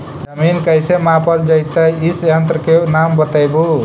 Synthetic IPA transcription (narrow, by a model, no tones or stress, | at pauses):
d͡ʒʌminkəjsemapʌld͡ʒəjt̪aisjant̪ɾkenambət̪əjbu